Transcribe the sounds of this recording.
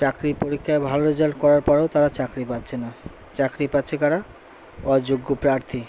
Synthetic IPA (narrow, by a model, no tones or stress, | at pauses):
t͡ɕakɾipoɾikʰːaebʱaloɾed͡ʑalkɔɾaɾpɔɾeot̪aɾat͡ɕakɾipat̪ːɕʰena | t͡ɕakɾipatːɕʰekaɾa | ad͡ʑoɡːopɾaɾt̪ʰi